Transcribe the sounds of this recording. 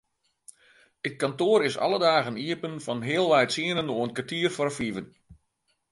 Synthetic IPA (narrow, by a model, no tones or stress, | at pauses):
ət̚kantoːɾɪsɑ̰lədaːɣəniəpənfɔnɦɪəlˠʋɛjsiənənoənkʋartiərfɔrfivən